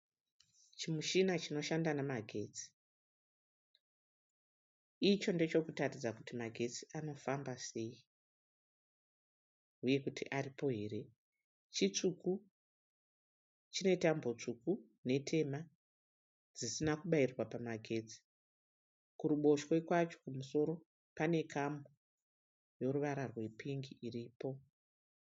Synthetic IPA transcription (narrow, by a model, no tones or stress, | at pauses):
t͡ʃimuʃinat͡ʃino̞ʃandanamaɡʱe̞ːt͡si̥ | it͡ʃo̞nde̞t͡ʃo̞kutatid͡zakutimaɡʱe̞t͡si̥ʔano̞fambase̞ːi | uje̞kutʰiʔaripo̞ɦe̞ɾe̞ | t͡ʃit͡ʂuku | t͡ʃino̞itambo̞t͡ʂuku | ne̞tʰe̞ma | d͡zisinakuɓairwapamaɡʱe̞t͡si̥ | kuɾuɓo̞ʃwekwat͡ʃo̥kumuso̞ɾo̞ | pane̞kʰambo | jo̞ɾuʋaɾarwe̞piŋɡiʔiripo̞